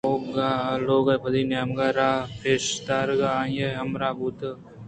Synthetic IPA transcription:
oɡaːloːɡapɐd̪iːnaːmɡaːɾaːpʰeːʃt̪aːɾɡajeɦɐmɾaːbuːt̪

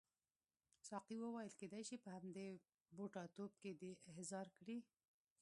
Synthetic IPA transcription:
sɑqiwəwɑjəlked̪ajʃipəhamd̪e | boʈɑt̪ob̚ked̪eɦzɑɾkɽi

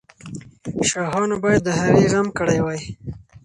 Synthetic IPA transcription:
ʃɑɦɑnobɑjad̪̚ːəɦaɣeɣamkəɽajwaj

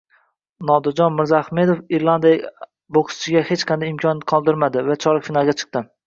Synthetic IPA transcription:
nɒd̪ad͡ʒɒnmɪɾzaχme̞d̪ofiɾlˠand̪ija | boqʰst͡ʃʰɪɡʲahet͡ʃqʰɑnd̪ajɪmkʲʰɒnqʰɒlˠd̪ɪɾmad̪ɪvat͡ʃʰɒɾkfinalˠɡʲat͡ʃʰɨ̥q̚t̪ɪ

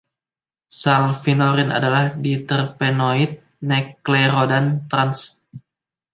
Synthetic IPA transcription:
salfinoɾina̰dalahdit̪ərpenoit̪̚ | nɛkleɾodant̪ɾans

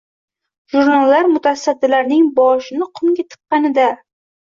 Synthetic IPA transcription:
ʒuɾnalːaɾmʊt̪ʰasad̪ːɪlaɾnɪŋbɒʃɪnɪqʰʊmɡʲat̪ʰɨ̥qːɑnɪd̪a

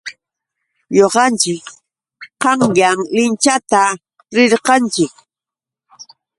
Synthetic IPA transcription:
ɲoqɑnt͡ʃɪk | qɑŋjaŋlɪnt͡ʃat̪a | ɾɪɾqɑnt͡ʃɪk

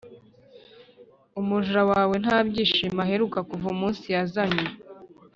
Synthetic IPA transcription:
umuʒuɾawaːwe̞n̥aːbɟiːʃimaɦe̞ɾukakuvumuːnsijazaɲɲe

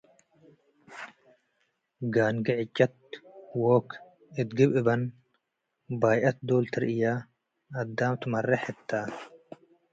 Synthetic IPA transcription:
ɡaːnɡɐʕɪt͡ʃːɐt̪̚woːk | ɪt̪ɡɪbɪbɐn | baːjʔɐt̪̚d̪oːlt̪ʰɪɾʔɪjaː | ɐd̪ːaːmt̪ʊmɐrːɛħɛt̪ʰːaː

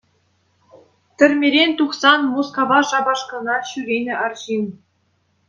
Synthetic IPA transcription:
t̪ʲɘ̆rʲmʲeɾʲenʲt̪uχsɑnmoskovɑʂɑbɑʂkɤ̆nɑɕyɾʲenʲɘ̆ʔɑrʑin

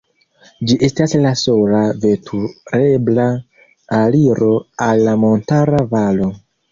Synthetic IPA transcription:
d͡ʒiʔe̞staslasolave̞tʰuɾe̞bla | aliɾo̞alːamo̞ntaɾavalo̞

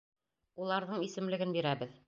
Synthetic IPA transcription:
ulˠɑɾðɤɴisɘ̆mlɘ̆ɡɘnbiɾæbɘð

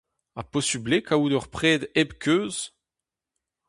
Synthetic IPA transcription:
apɔsiblekaud̪œʁpχɛːd̪ɛbkʰʲøːz

